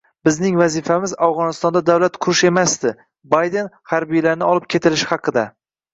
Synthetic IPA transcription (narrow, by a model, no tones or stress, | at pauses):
bɪznɪŋvazifamɪzawʁɒnɪst̪ɒnd̪ad̪awlat̪qʰʊɾɪʃe̞masd̪ɪ | bajd̪e̞nhaɾbijlaɾnɪɒlˠɪp̚kʲʰe̞t̪ʰɪlɪʃɪhɑqʰɨd̪a